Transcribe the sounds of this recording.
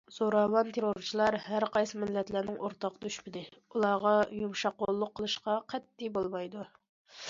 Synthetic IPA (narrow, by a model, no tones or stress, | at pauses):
z̥oɾɑwɑnt̪ʰeɾoɾt͡ʃʰilˠɑɾhæɾqʰɑjsɨmɪlːɛt̪læɾnɪŋʔoɾt̪ɑqd̪yʃpɪd̪ɪulˠɑʁɑjumʃɑqːolˠːʊqʰːəlˠɨʃqɑqʰɛt̪ːibolˠmɑjd̪u